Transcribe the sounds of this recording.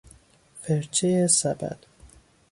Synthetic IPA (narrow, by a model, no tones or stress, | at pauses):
feɾt͡ʃʰejesæbæ̰d̪̥